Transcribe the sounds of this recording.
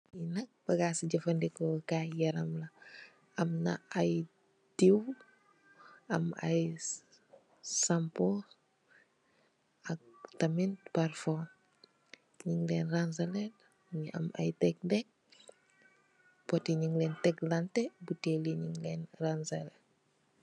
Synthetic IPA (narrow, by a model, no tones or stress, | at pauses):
inɐk̚b̥ɐɡaːsiɟɐfɐndɛkɔkaːjɐɾɐmlɐ | ɐmnɐ̰ɐj | diw | ɐmɐ̰j | sampɔ | ɐk̚tɐmintparfɔm | ɲiŋlɛnrans̬ɐlɛt | ɲɐ̰mɐ̰jtɛk̚dɛk̚ | pɔtiɲiŋlɛntɛklantɛbuteliɲiŋlɛːnransɐlɛ